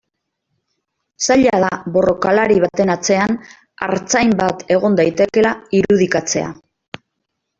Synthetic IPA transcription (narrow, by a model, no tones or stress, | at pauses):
saʎaðaβo̞ro̞kalaɾiβ̞at̪e̞nat͡se̞an | a̰ɾt͡sajmbat̪e̞ɣ̞o̞nd̪ajt̪e̞ke̞laiɾuðikat͡se̞̰a̰